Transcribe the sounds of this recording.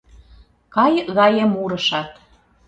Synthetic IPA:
kɑjɣɑjə̆muɾəʃɑt̪

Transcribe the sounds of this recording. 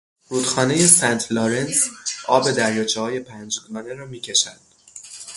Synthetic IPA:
ɾuːd̪xɒːne̞je̞sænt̪ʰloɾensʔɒːbe̞d̪æɾjɒːt͡ʃʰɛhɒːje̞pʰænd͡ʒd̪mɒːneɾɒːmiːcʰe̞ʃænd̪̥

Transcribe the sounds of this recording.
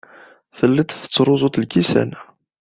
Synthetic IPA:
θəlːət̪θə̥t͡sːɾˤʊzˤʊt̪lkisæ̰n

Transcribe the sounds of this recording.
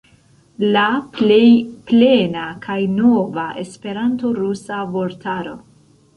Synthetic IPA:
laejplenakʰajnovaʔe̞spe̞ɾanto̞ɾusavoɾtʰaɾo̞

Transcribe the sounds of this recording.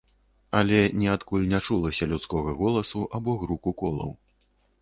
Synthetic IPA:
ɐlʲɛnʲɛat̪kulʲnʲat͡ʂulˠɐsʲɐlʲutskɔɣɐɣɔlˠɐsuʔabɔɣɾukukɔlˠɐ̰w

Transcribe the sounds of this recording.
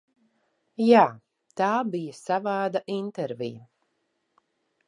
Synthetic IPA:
jaː | t̪aːbijasavaːd̪aʔint̪ɛɾvḭja

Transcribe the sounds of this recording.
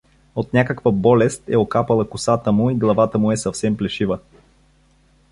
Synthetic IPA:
ot̪nʲakəkvəbɔlɛst̪ɛ̰okapɐlˠɐkʊsat̪əmʊiɡlˠɐvat̪əmʊɛsɐfsɛmplɛʃivə

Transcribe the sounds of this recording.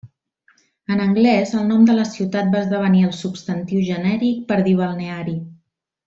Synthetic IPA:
ənəŋɡlɛzəlˠnɔmd̪ələsiwt̪at̪̚baəzðəβ̞əniəlˠsupst̪ənt̪iwʒənɛɾik̚pəɾðiβ̞əlˠneaɾi

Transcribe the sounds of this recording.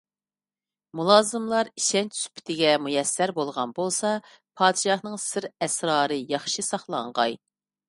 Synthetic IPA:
mulˠɑːzɨmlˠɑɾiʃɛnt͡ʃsy̥pʰɪ̥t̪ʰɪɡʲɛmujɛsːæɾbolˠʁɑnbolˠsɑ | pʰɑːd̪ɪʃɑχnɨŋsɪɾɛsɾɑːɾɨjɑχʃɨsɑχlˠɑɴʁɑ̰j

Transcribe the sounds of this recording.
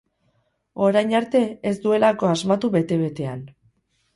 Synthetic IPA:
o̞ɾajɲaɾt̪e̞esd̪ue̞lako̞azmat̪uβe̞t̪e̞β̞e̞t̪e̞an

